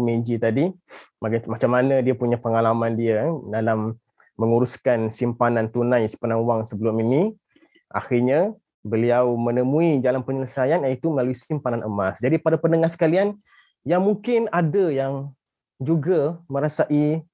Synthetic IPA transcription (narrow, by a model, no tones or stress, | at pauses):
mẽd͡ʒit̪adimakamat͡ʃamːanədiapuɲapəŋalamandiadalamː | əŋuɾuskansimpanãnt̪unãjsə̥pənaŋwaŋsəbəlʊmini | ʔa̰xiɲa | bəliawmənəmũid͡ʒalanpəɲələsajanjaŋit̪uməlaluisimpananʔə̰masd͡ʒadipadapənəŋahsə̥kalian | jaŋmuŋkɪnadajaŋ | d͡ʒuɡamə̃ɾasaʔi